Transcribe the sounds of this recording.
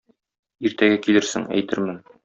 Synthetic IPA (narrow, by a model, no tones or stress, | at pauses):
iɾt̪æɡækilɘɾsɘ̰ŋæ̰jt̪ɘɾmɘn